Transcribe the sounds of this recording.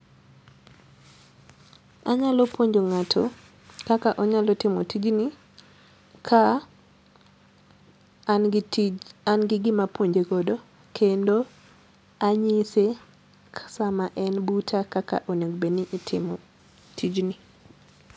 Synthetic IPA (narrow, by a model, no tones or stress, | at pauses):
a̰ɲalɔpwoɲd͡ʒoŋatʰo | kakaʔɔɲalɔtɪmɔtid͡ʒnɪ | kʰa | anɡɪɡɪmapwoɲd͡ʒeɡɔdo | kʰendo | aɲise | kʰḁsamaʔɛnbutʰakaka̰ʔonoɡbenɪʔːtʰɪ̰mɔ | tʰid͡ʒnɪ